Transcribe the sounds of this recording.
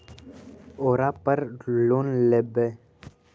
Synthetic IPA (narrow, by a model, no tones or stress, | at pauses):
oːɾaːpəɾloːnlebe